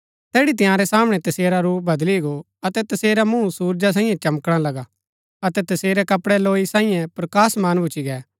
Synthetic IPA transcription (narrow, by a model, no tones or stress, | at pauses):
t̪ɛːɽit̪̬ɪjãːɾɛsaːmɽ̃ɛt̪ɐseːɾaɾuːbʱɐd̪liɡo | ɐt̪ɛt̪ɐseːɾamũsuːɾd͡ʒas̬ãːĩjɛ̃t͡ʃɐmkɽ̃ãlɐɡa | ɐt̪ɛt̪ɐseːɾɛkɐpɽɛloːisãːĩjɛ̃pɾɐkaːsmaːnbʱʊt͡ʃiɡɛː